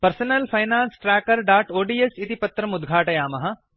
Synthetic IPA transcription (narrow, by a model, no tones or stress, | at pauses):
pɐɾsɐnɐlfʰɐjnãːnsʈɾɛːkɐɾɖaːʈoːɖiːesit̪ipɐt̪ːɾɐmʊd̪ɡʱaːʈɐjaːmɐɦɐ